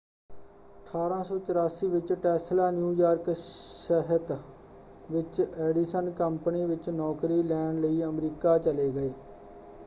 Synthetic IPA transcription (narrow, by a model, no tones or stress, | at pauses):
əʈʰaːɾãːsɔːt͡ʃəɾaːsiːʋɪt͡ʃʈɛːslaːnjuːjaːɾkɛɦət̪ | ʋɪt͡ʃɛːɖisənkəmpniːʋɪt͡ʃnɔːkɾiːlɛːnləiːəmɾiːkaːt͡ʃəleːɡəeː